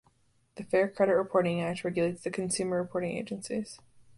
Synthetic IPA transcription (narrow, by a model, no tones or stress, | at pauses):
ðɨfɛɹkʰɹ̥ɛɾɨt̚ɹɨpʰɔɹɾɪ̃ŋæk̚tɹɛɡjɨleɪtsðɨkʰn̩sʉmə˞ɹɨpʰɔɹɾɪ̃ŋḛɪd͡ʒɨ̃nsiz̥